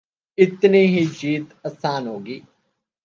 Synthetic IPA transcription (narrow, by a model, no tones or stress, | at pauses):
ɪt̪niːɦiːd͡ʒiːt̪əsaːnɦoːɡiː